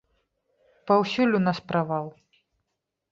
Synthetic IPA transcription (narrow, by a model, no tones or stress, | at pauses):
pɐwsʲulʲunaspɾavawˠ